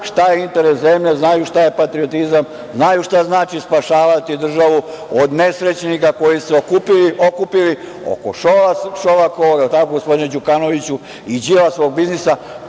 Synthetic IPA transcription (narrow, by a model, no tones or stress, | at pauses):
ʃt̪ajeint̪e̞ɾeszemʎeznajuʃt̪aje̞pat̪ɾiot̪izam | znajuʃt̪aznaːt͡ʃispaʃaːʋat̪id̪r̩ʒaʋu | od̪ne̞sɾe̞t͡ɕnikako̞jiseokupiliokupili | o̰ko̰ʃoaʃoʋakooɡt̪akoɡospo̞d̪ined͡ʑukano̞ʋit͡ɕu | id͡ʑilasʋo̞ːɡ̚biznisa